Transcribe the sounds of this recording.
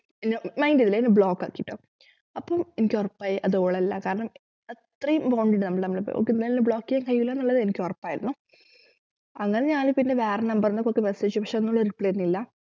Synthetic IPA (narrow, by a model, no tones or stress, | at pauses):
enːemɐjndiðilːɐenːɨbɭoːkːa̰ːkːiʈːo̰ː | ɐpːoːmenikʲːorɐpːaːjiʔɐðoːɭɐlːɐkaːɾɐɳɐm | ɐt̪rɐjumpoːɳɖiʈːɨnɐmːɐɭnɐmːɐɭpo̰o̰kːenːelnːubɭoːkːijaŋkɐjːilːaːnɐmːɭːɐðɨenikʲːorɐpːaːjiɾunːu | ɐŋːɐne̞ɲaːlɨpinːe̞ʋeːrenɐmbɐrnːokːokːemesɐit͡ɕːupɐkʂeonːoɭːɐoɾuipɭejiɾunːilːɐ